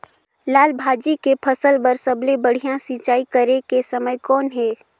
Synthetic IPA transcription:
laːlbʱaːd͡ʒikepʰɐsəlbəɾsɐblebɐɽ̤ijãsit͡ʃaːikəɾekesɐməjkɔːnɦɛː

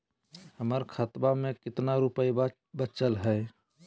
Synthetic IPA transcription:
həməɾkʰət̪bamẽkɪt̪naɾʊpəi | bət͡ʃəlɦɛː

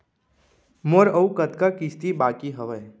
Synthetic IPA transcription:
moɾɐukət̪kakist̪ibaːkiɦəʋəj

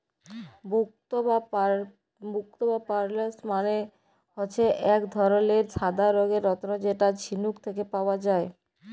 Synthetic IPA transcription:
bukt̪oba | buk̚t̪obapaɾlesmane | ɦoːɕʰeʔɛkd̪ʱɔɾoleɾsʰad̪ʱaɾoɡeɾːɔt̪onod͡ʑeʈad͡ʑʱinukt̪ʰek̬epaoad͡ʑae

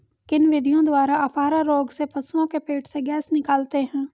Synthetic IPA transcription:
kɪnʋɪd̪ʱijõd̪waːɾaɐfaːɾaɾoːɡsepʰɐsuõkepeːʈʰseɡɛːsnɪkaːlt̪eɦɛ̃ː

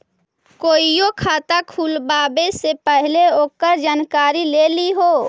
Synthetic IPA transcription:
koːijokʰaːt̪akʰuːlbaːbesepəɦleoːkəɾd͡ʒaːnkaːɾileːliɦoː

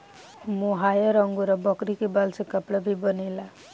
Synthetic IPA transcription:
muɦajʌɾʌŋɡuɾʌbʌkɾikibalsekapɽabʱibʌnela

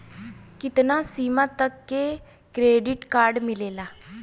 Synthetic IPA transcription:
kɪt̪naːsiːmãːt̪əkːe | kɾeːɖɪʈkaːɾɖmɪleːlaː

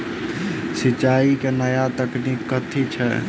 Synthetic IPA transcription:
sɪt͡ʃaːikenəjat̪əkniːkːət̪ʰit͡ʃʰɛ̰

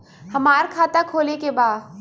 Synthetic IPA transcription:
hɐmaːɾkʰaːt̪akʰoːlekebaːd̪

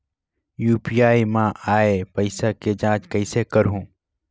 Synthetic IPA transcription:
juːpijaːimãːʔaːepəɪsaked͡ʒãːt͡ʃkəɪsekəɾɦũː

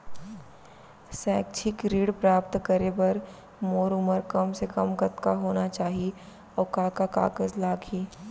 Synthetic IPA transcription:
sɛːkt͡ʃʰɪkɾiːɽpɾaːpt̪kəɾebɐɾ | moːɾʊməɾkɐmsekɐmkɐt̪kaɦoːnat͡ʃaːɦi | ɔːkaːkaka̰ːkəzlaːɡʰiː

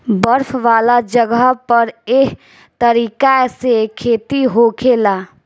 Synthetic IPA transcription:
bəɾpʰʋaːlad͡ʒəɡəpəɾek | t̪əɾiːkasekʰeːt̪iɦoːkʰelaː

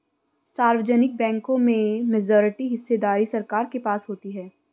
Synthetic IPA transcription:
saːɾwəd͡ʒənɪk̚bɛ̃ːŋkõmẽmɛd͡ʒɔːɾɪʈiɦɪsːed̪aːɾisɐɾkaːɾkepaːsɦoːt̪iɦɛː

